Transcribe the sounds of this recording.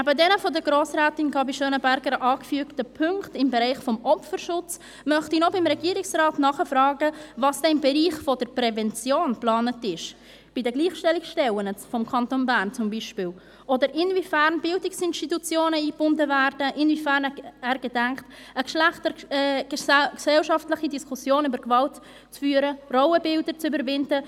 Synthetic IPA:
næbədɛnəfɔdəɡɾoːsrɛːtɪnɡɑbiʃønəbæɾɡəɾʔɑːkfyəktəpʰʏŋktɪmbəɾɛɪχfɔmʔɔpfəɾʃʊt͡s | mœχtinobɪmɾɛɡiːəɾɪksrɑːtnɑχəfrɑːɡəvɑːsd̥ɛɪmbɛɾiːχfɔdəɾpɾɛvɛnt͡sjoːnplɑːnətɪʃ | b̥idəɡliːχʃtɛlikʃtɛlənət͡sfɔmkʰɑntonbæːɾnt͡sʊmbiːʃpɪːl | ʔɔdəɾʔɪnvifæɾnbɪldɪksɪnʃtitut͡sjoːnəiːb̥ʊndəvæɾdəʔɪnvifæːɾnɛæːɾɡ̥ədɛŋkt | əkʃlæχtə̥ | sɛlʃɑftləχidiskʰusjoːnybəɾkvɑlt | t͡sfyːɾərɔʊəbɪldəɾt͡sybəɾvɪndə

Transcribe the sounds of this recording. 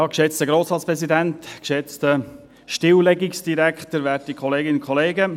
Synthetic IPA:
jɑːkʃɛt͡stəɡɾoːsɑːspɾɛzidæntkʃɛt͡stə | ʃtɪwlɛɡiksd̥iɾæktəɾʋæɾtikʰχɔleːɡɪnkʰχɔleːɡə

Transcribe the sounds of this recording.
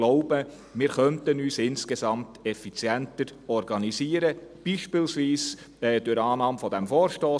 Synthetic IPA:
lɔʊbə | mɪːɾχœntənyːsɪnskesɑmtɛfit͡sjɛntəɾɔɾɡɑnisiːəɾəb̥iʃpɪlsʋiːs | ɛːdʊɾɑːnɑːmfɔd̥æmfɔːɾʃtɔː

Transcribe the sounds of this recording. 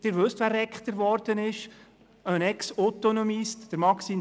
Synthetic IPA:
d̥ɪːɾʋɵst̪ʋæːɾɛkχt̪əɾʋɔɾd̥̪ənɪʃ | œnɛksot̪onomistd̥əɾmɑksi

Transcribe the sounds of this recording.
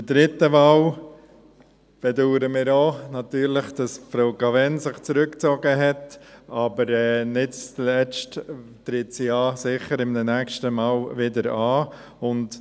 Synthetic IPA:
dədɾɪtːəʋɑl | b̥ɛduːɾəmɪːɾoːnɑtyːɾlɪχd̥ɑsfɾoʊɡɑvɛnsɪχt͡sɾʏkt͡sɔɡəɦɛtɑbəɾɛːnɪtt͡slɛt͡ʃttɾɪtsiɑːsɪχəɾɪmdənɛkʃtəmɑːlʋɪdəɾɑː | ʊnt

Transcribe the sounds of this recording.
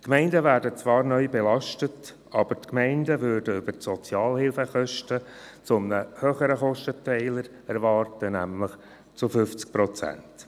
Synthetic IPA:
kmɛɪndəʋæːɾdət͡sʋɑːɾnœʏbɛlɑʃtət | ɑb̥əɾtkmɛɪndəʋʏɾdəʏb̥ətsɔt͡sjɑːlhɪlfəχœʃtə | t͡sʊmnəhøːχəɾəχɔʃtətʰɛɪləɾ | æɾʋɑːrtənæmləχ | t͡sʊfʏft͡sk̚pɾɔt͡sæ̰nt

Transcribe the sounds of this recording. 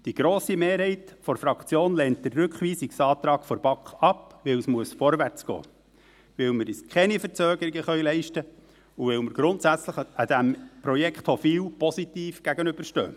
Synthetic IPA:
d̥iɡɾoːsimeːɾhɛɪtfɔɾfɾɑkt͡sjoːnlɛnt̚d̥̪ərːɵkχʋiːsiksɑːt̪ɾɑːɡfɔɾb̥ɑkχɑpʋɪwsmuəsfɔɾʋært͡sɡ̥ɔ̰ː | ʋɪwməɾɪskʰχɛnifəɾt͡søːɡəɾiɡəχœʏɥlɛɪʃtə | uʋɪwməɾɡ̥ɾʊntsæt͡sləχəd̪æmpɾɔjɛkχthɔfiwpɔsit̪iːfɡ̥æɡənʏb̥əɾʃtø̰ː

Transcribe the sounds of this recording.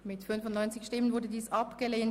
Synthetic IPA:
mɪtfʏnfʊnɔʏnt͡sɪçʃtɪmənvʊɐdədiːsʔɑpɡ̥əleːn

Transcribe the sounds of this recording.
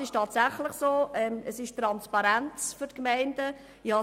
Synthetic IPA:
ɪʃtʰɑːtsæχlɪχsoːɛməsɪʃtɾɑnspɑɾænt͡sfʏɾtkmæɪnd̥ə | ihɑ

